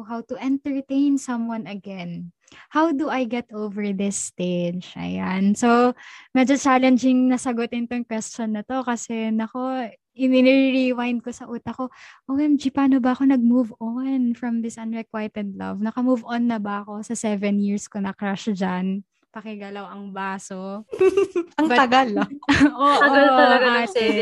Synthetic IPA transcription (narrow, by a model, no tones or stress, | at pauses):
ɦawt̪ʊʔɛ̃nt̪ɛɹt̪ẽjnsɐ̃mwɐ̃nɐɡɛn | hawd̪uʔajɡɛt̪ʔowvɛɹðɪst̪ed͡ʒʔɐ̰jansowmɛd͡ʒot͡ʃaːlɛnd͡ʒɪŋnɐsɐɡot̪ɪnt̪oŋkwɛst͡ʃonːɐt̪o̞kɐsɛnɐko̞ | ʔɪnɪnɪɹiwajnd̪̚ko̞sɐʔuːt̪ɐko̞ʔomɛmd͡ʒɪpaːnobɐʔɐko̞nɐɡ̚muvonfɹɐmd̪ɪsʔɐnɹɛkwajt̪ɛd̪̚lɐ̰vnɐkɐmuvonːɐbɐʔɐko̞sɐsɛvɛnjiɹskonɐkɹaʃd͡ʒan | pɐkɛɡɐlɐwɐŋbaːso | ɐŋbɐt̪ɐɡaloʔoːʔɐɐɡat̪ɛ